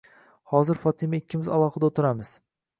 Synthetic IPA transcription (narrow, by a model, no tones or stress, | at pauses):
hɒzɪɾfɒt̪ʰɪmaɪkʲʰːɪmɪza̰lˠɒχɨd̪aot̪ʰɪɾamɪz̥